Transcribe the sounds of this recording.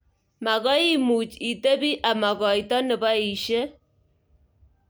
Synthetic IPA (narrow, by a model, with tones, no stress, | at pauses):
ma˨ɣɔ˦i˦mu˨t͡ʃi˨te˦bi˦ʔa˨ma˨ɣɔ˨jtɔ˦nɨ˨ba˦i˨ʃe˦